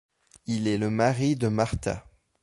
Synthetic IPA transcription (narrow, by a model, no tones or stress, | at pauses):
ilɛləmaʁid̪əmaʁt̪a̰